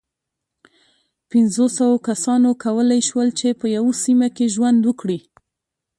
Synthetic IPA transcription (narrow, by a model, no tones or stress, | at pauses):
pɪnzosawokasɑnokawəlajʃwəlt͡ʃepəjawosimakeʒwand̪wəkɽi